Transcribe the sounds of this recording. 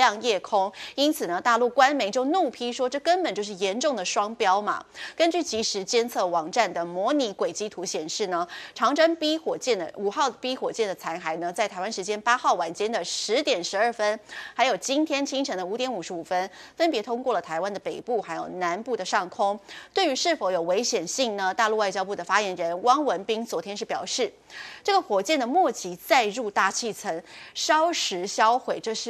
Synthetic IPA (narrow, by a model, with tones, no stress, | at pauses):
ɑ˥˧ŋjɛ˥˩kʰʊ˥ŋi˥nt͡sʰɹ̩˨˩nə˦t̪a˥˧lu˥˩kwa˥nme˧˥ɪt͡ɕjo˥˧ʊnu˥˩pʰi˥ʂwɔ˥ʈ͡ʂɤ˥˩kə˥npə˨˩nt͡ɕjo˧ʂɻ̩˥˩jɛ˧˥nʈ͡ʂʊ˥˩ŋd̪ə˩ʂwɑ˥ŋpjɑ˥ʊmɐ̰˨˩kə˥nt͡ɕy˥˩t͡ɕi˧˥ʂɻ̩˧˥t͡ɕjɛ˥˧nt͡sʰɤ˥˩wɑ˨˩ŋʈ͡ʂa˥˩nd̪ə˩mwɔ˧˥ni˧˥kwe˨˩ɪt͡ɕi˥t̪ʰu˧˥ɕjɛ˨˩nʂɻ̩˥˩nə˩ʈ͡ʂʰɑ˧˥ŋʈ͡ʂə˥ŋpi˥xwɔ˨˩t͡ɕjɛ˥˩nd̪ə̰˩u˨˩xɑ˥˩ʊpi˥xwɔ˨˩t͡ɕjɛ˥˩nd̪ə˩t͡sʰa˧˥ɪxa˧˩ɪnə˧t͡sa˥˩ɪt̪ʰa˧˥ɪwa˥nʂɻ̩˧˥t͡ɕjɛ˥npa˥xɑ˥˩ʊwa˨˩nt͡ɕjɛ˥nd̪ə˨ʂɻ̩˧˥t̪jɛ˨˩nʂɻ̩˧˥ə˞˥˩fə˥nxa˧˥ɪjo˨˩ʊt͡ɕi˥nt̪ʰjɛ˥nt͡ɕʰi˥ŋʈ͡ʂʰɤ˧˥ŋd̪ə˧u˧˥t̪jɛ˧˥nu˨˩ʂɻ̩˧˥u˨˩fə˥nfə˥npjɛ˧˥t̪ʰʊ˥ŋkwɔ˥˩lə˩t̪ʰa˧˥ɪwa˥nd̪ə˨˩pe˨˩ɪpu˥˩xa˧˥ɪjo˨˩ʊna˧˥npu˥˩d̪ə˩ʂɑ˥˩ŋkʰʊ˥ŋt̪we˥˩ɪy˧˥ʂɻ̩˥˩fo˧˥ʊjo˨˩ʊwe˧˥ɪɕjɛ˨˩nɕi˥˩ŋnə˩t̪a˥˧lu˥˧wa˥ɪt͡ɕjɑ˥ʊp̬u˥˩d̪ə˩fa˥jɛ˧˥nɻə˧˦˥nwɑ˥ŋwə˧˥npi˥ŋt͡swɔ˧˥t̪ʰjɛ˥nʂɻ̩˥˩pjɑ̰˨˩ʊʂɻ̩˥˩ | ʈ͡ʂɤ˥˩ɡə˩xwɔ˨˩t͡ɕjɛ˥˩nd̪ə˩mwɔ˥˩t͡ɕʰi˧˥t͡sa˥˧ɪɻu˥˧t̪a˥˩t͡ɕʰi˥˩t͡sʰə˧˥ŋʂɑ˥ʊʂɻ̩˧˥ɕjɑ˥ʊxwe˨˩ɪʈ͡ʂɤ˥˧ʂɻ̩˥˧